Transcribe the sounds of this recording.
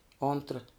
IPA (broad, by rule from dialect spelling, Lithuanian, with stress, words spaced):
ˈoːntrɐ